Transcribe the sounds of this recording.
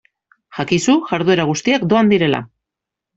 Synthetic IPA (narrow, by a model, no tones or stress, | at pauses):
xakisuʝaɾðue̞ɾaɣ̞ust̪iakd̪o̞and̪iɾe̞la̰